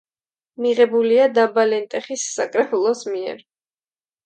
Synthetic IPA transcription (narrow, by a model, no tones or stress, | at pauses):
miʁɛbuliad̪abalɛnt̪ʼɛχisːakʼɾɛpʰulˠɔsmiɛ̰ɾ